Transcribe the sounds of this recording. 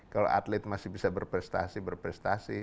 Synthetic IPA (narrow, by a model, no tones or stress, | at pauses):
kalo̰ʔa̰t̪lɛt̪̚masɪhbisabərpɾɛst̪a̰sibərpɾɛst̪asi